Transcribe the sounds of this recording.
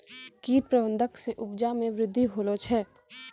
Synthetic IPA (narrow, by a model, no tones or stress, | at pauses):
kiːɾ̚pɾəə̃nd̪ʱəkseʔʊbd͡ʒamẽʋɾɪd̪ʱːiɦoːlot͡ʃʰɛː